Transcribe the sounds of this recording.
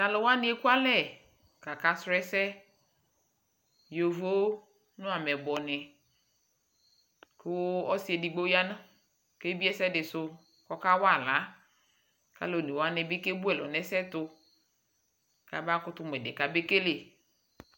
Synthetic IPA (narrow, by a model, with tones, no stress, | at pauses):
ta˨lʊ˨wa˦nɪ˦e˦ku˦a˦lɛ˦˨ | ka˨ka˨sɾɛ˦sɛ˦ | jo˨vo˦ | nʊ̃˦a˨mɛ˨bɔ˨nɪ˨ | kʊ˦ɔ˦si˨˦e˨di˨ɡ͡bo˦ja˦nʊ˦ | ke˦bi˦ɛ˦sɛ˦dɪ˨sʊ˦ | kɔ˦ka˦wa˦˨la˨˦ | ka̰˦lo˨ni˨wa˦nɪ˨be˦ke˦bu˦ɛ˨lɔ̰˨nɛ˨sɛ˦tʊ˦ | ka˨ba˦kʊ˦tʊ˦m˨ɛ˨dɪ˨ka˨be˦ke˦le˨